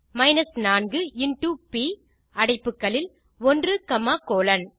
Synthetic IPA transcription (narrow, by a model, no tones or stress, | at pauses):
mɐɪnɐsnaːnɡɯɪnʈuːpiː | ɐɽɐɪpːɯkːɐɭɪl | ɔndrɯkɐmaːkoːlɐn